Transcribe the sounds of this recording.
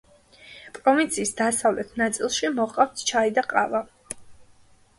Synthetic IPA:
pʼɾɔvint̪sʰiːsd̪asavlɛt̪ʰnat̪sʼilˠʃimɔqʼaft̪ʰt͡ʃʰaid̪aqʼava

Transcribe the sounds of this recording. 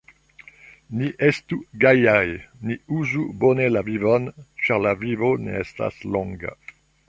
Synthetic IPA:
niʔestuɡajajniuzubonelavivont͡ʃaʁlavivonḛesta̰sloŋɡa̰

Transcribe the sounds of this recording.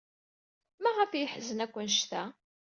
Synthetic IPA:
mæʁæfjəħzənækʷːənʃt̪æ

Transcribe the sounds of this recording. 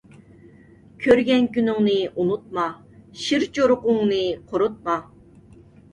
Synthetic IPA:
kʲʰøɾɡʲɛnkʲynyŋnɨʔunut̪̚mɑ | ʃiɾt͡ʃʰoɾʊqʊŋnɨqʰoɾut̪̚mɑ

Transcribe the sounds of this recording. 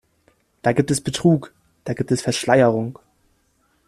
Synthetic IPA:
d̥aːɡiːp̚tɛsb̥ətʁ̥uːk | d̥aːɡiːp̚tɛsfɛɐʃlaɪəʁʊŋ

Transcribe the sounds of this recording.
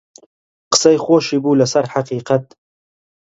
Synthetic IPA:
qə̥sɐjxoːʃiːbuːlasaɾħaqiːqat̪̚

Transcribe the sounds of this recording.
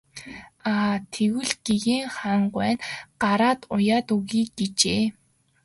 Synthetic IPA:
aːt̪ʰeɣɘ̆ɮɡ̥eɣeːŋχaɴɢwæːnɢ̥aɾaːt̪ʊjaːt̪uɣiːkɡet͡ɕeː

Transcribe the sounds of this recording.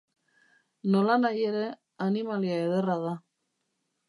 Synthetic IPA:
no̞lanaje̞ɾe̞ | animaliaeðe̞raða

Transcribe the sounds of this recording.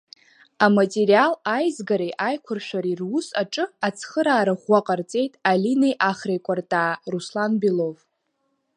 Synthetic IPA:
amatʼeɾialajzɡaɾejʔajkʷʰʊrʃᶣaɾirwʊsaʈ͡ʂʼɨat͡sʰχəɾaːɾaχʷaqʼart͡sʼe̞jtʼalinejʔaχrejkʷʼartʼaːruslanbilov

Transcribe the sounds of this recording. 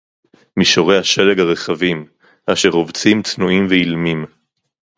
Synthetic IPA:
miʃo̞ʁe̞haʃe̞le̞ɡaʁe̞χavim | ʔaʃe̞ʁovt͡simt͡snuimveilmim

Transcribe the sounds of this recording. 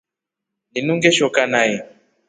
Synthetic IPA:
ninuŋɡɛʃɔkanajɛ

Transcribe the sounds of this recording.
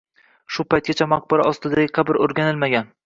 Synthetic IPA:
ʃʊpajt̪̚kʲat͡ʃʰamaq̚bɪɾaɒst̪ɪd̪aɡʲɪqʰɑbɪɾoɾɡʲanɪlmaɡʲan

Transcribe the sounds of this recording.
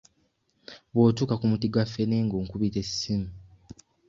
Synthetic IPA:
βwoːtuːkakumutiɡwafːeneːŋɡoːŋkuβitessimu

